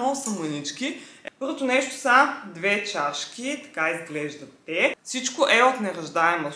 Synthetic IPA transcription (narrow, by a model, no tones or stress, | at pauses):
ɔsɐmʊnit͡ʃkʲipɤɾvot̪ʊnɛʃt̪o̥sɐd̪vɛt͡ʃaʃkʲit̪ɐ̥kaizɡlɛʒd̪ɐt̪ɛfsit͡ʃkoʔɛot̪nɛɾɐʒd̪aɛmo